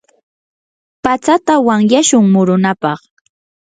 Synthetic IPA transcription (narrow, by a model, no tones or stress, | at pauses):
pat͡sat̪awaŋjaʃʊŋmʊɾʊnapɑχ